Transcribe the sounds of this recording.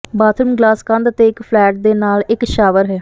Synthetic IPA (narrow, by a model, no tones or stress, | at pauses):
baːt̪ʰəmɡlaːskə̃nd̪ət̪eːɪkpʰlɛːʈ̚d̪eːnaːlɪkʃaːʋəɾɦɛː